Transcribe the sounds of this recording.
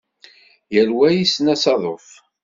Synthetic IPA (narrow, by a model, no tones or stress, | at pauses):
jəlwæjisnæsɑðˤof